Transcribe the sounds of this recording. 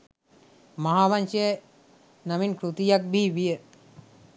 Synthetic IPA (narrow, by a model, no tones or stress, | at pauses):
maɦaːʋanʃeje | naminkɾut̪ijak̚biʋijə